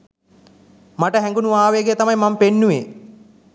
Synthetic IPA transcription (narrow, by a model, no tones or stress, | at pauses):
maʈəɦɛŋɡunuʋaːʋeɡet̪amajmampenːuʋḛ